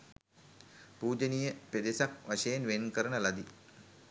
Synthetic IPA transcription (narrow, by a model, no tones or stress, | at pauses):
puːd͡ʒənijəped̪esak̚ʋaʃejenʋenkəɾənəlad̪i